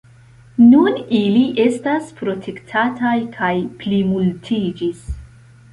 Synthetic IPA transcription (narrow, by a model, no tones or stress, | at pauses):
nuniliʔe̞staspɾo̞tʰe̞ktʰatajkʰajplimultʰid͡ʒis